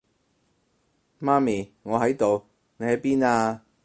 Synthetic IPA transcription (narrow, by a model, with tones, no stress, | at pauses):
maː˥miː˨ŋɔː˨˧ɦɐ˨˥jt̪o˨w | ne˨˧jhɐ˨˥jpiː˥naː˧